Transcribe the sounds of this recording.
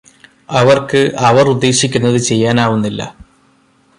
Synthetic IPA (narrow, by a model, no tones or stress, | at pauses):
ɐʋɐrkɨʔɐʋɐrud̪ːe̞ːɕikʲːunːɐðɨt͡ɕe̞jːaːnaːʋunːilːɐ̰